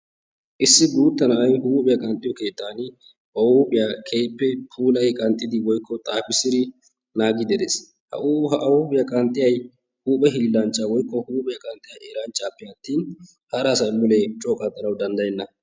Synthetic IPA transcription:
ʔɪsːɪɡuːt̪ːɐnɐɐjnhuːpʼɪjɐkʼɐnt̪ʼːɪjɔke̞ːt̪ːaːn | ɐuːpʼɪjakʰe̞ːpːɛpʰuːlɐjkʼɐnt̪ʼːɪd̪ɪwɔjkːɔt̪ʼaːfɪsɪd̪ɪ | naːɡɪd̪ɛd̪es | hɐ̰uːpʼɪjɐkʼɐnt̪ʼːɪjɐj | huːpʼɛɦɪlːɐnt͡ʃʼːɐwɔjkːɔhuːpʼɪjɐkʼɐnt̪ʼːɪjɐʔeːɾant͡ʃʼːaːpːɛɐt̪ːiːn | hɐɾaːsɐjmʊlɛt͡ʃʼɔkʼɐt̪ʼːɐnɐwd̪ɐnd̪ɐjɛnːɐ

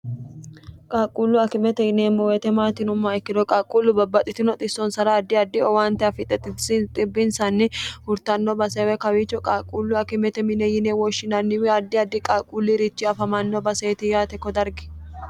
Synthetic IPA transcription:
kʼaːkʼuːlːʊɐkɪmɛt̪ɛjɪneːmːɔwet̪ɛmaːt̪ɪnʊmːaɛkːɪd̪ɔkʼaːkʼuːlːʊbɐbːɐt̪ʼɪt̪ɪnɔt̪ʼɪsːɔnsɐɾɐːd̪ːɪɐd̪ːɪɔwaːnt̪ɛɐfɪt̪ʼːɛt̪ɪsɪt̪ʼɪbːɪnsɐnːɪhʊɾt̪ɐnːɔbɐseːwɛkɐwɪt͡ʃːɔkʼaːkʼːuːlːʊɐkɪmɛt̪ɛmɪnejɪneːwɔʃːɪnɐnːɪwɪɐd̪ːɪɐd̪ːɪkʼaːkʼuːlːɪɾɪt͡ʃːɪɐfɐmɐnːɔbɐseːt̪ɪjaːt̪ɛkːɔd̪ɐɾɡɪ̥

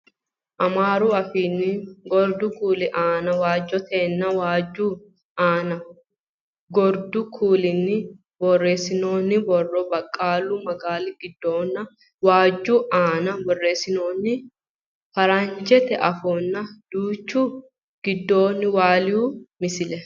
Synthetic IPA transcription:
ʔɐmaːɾuɐfiːnːɪɡɔɾd̪ʊkuːlɪʔaːnɐwaːd͡ʒːɔt̪ʰeːnːɐwaːd͡ʒːuː | aːnɐ | ɡɔɾd̪ʊkʰuːlɪnːɪ | bɔrːe̞ːsɪno̞ːnːɪbɔrːɔbɐkʼːaːlumɐɡaːlɪɡ̥ɪd̪ːoːnːɐ | waːd͡ʒːuːʔaːnɐbɔrːeːsɪnoːnːɪ | fɐɾɐnd͡ʒɛt̪ɛʔɐfɔːnːɐd̪̥uːt͡ʃːu | ɡ̥ɪd̪ːo̞ːnːɪwaːlɪjuːmɪsɪlɛ

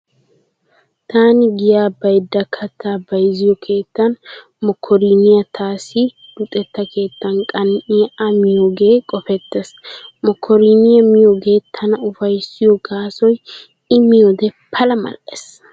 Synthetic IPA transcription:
t̪aːnɪɡɪjaːbɐjd̪ːɐkʰɐt̪ːaːbɐjzɪjɔkʰe̞ːt̪ːɐn | mɔkʰːɔɾiːnɪjɐt̪ʰaːsi | d̥ʊt̪ʼːɛt̪ːɐkʰe̞ːt̪ːɐnkʼɐnʔɪjɐmɪjoːɡe̞ːkʼɔfɛt̪ːesmɔkʰːɔɾiːnɪjɐmɪjoɡe̞ːt̪ʰɐnɐʊfɐjsɪjɔɡaːsɔj | ɪmɪjɔd̪ɛpʰɐlɐmɐ̰lʔes

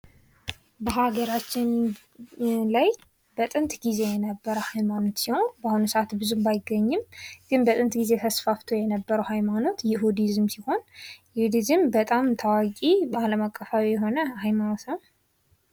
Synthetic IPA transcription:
bəɦaɡəɾat͡ʃːɪn | laj | bət̪ʼɨnt̪ɡize̞jɛnəbːəɾəwhajmano̞t̪siho̞nbahunɨsəʔat̪bɨzumbajɪɡːəɲːɪmɡ̥ɨnbət̪ʼɨnt̪ɡize̞t̪ʰəsfaft̪ʰo̞jɛnəbːəɾəwhajmano̞t̪jɛɦud̪izɨmsiho̞njɛhd̪izɨmbət̪ʼamt̪ʰawakʼibaləmakʼːəfawijɛɦo̞nəhajmanosəw

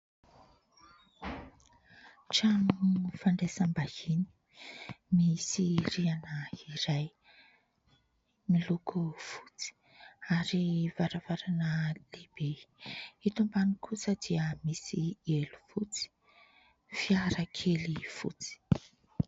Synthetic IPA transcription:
ʈ͡ʂanufaɳɖ͡ʐesambahini̥ | misirianəiɾaj | milukʰufu̥t͡si̥ | aɾivaɾavaɾanəlebe | it̪umbanikʰusəd̪iəmisielufut͡si̥ | fiaɾəkʰelifṵt͡si̥

